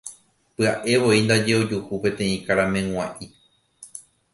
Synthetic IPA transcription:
pɨaʔe̞ʋo̞ind̪ad͡ʒe̞o̞d͡ʒuhupẽ̞t̪ẽ̞ĩkaɾamẽ̞ŋ̃ãʔi

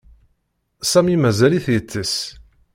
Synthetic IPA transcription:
sæmimæzæliθjət͡sːəs

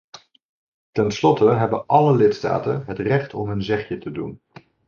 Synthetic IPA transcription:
tɛnslɔtəɦɛbənʔɑləlɪtsta̰ːtənɦətrɛχtɔmɦɵnzɛχjətədun

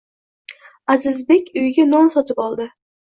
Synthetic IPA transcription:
azɪzbe̞kʲʊjɡʲanɒnsɒt̪ʰɪpɒlˠd̪ɪ

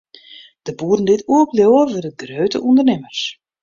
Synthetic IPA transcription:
d̥əbuːdn̩dɪtuəkljowəʋədənɡrøːtə̰ʔundərnɪmərs

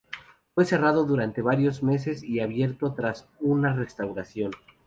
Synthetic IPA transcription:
fwe̞se̞raðo̞ðuɾant̪e̞βaɾjo̞zme̞s̬e̞siaβje̞ɾt̪o̞t̪ɾas | unare̞st̪awɾasjo̞n

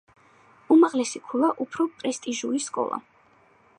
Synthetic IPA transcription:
umaʁlɛsikʰulˠaʔupʰɾɔpʼɾɛst̪ʼiʒuɾiskʼɔ̰lˠa̰

